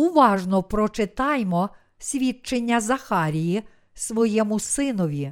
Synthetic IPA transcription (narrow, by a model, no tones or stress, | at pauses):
uʋɑʒnɔpɾɔt͡ʃet̪ɑjmɔ | sʲʋʲit͡ʃːenʲːɐzɐxɑɾʲiji | sʋɔjɛmʊsɪnɔʋʲi